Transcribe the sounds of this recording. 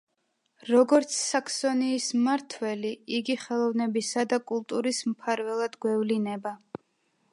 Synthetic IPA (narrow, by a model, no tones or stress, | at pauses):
ɾɔɡɔɾt̪sʰsakʰsɔniːsmaɾt̪ʰwɛliiɡiχɛlˠɔvnɛbisad̪akʼulˠt̪ʼuɾismpʰaɾvɛlˠad̪ɡwɛvlinɛba